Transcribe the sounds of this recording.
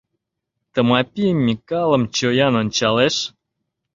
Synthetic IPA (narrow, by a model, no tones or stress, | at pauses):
t̪əmɑpʲijmʲːikɑlˠə̆mt͡ɕojɑnonʲt͡ɕɑleʃ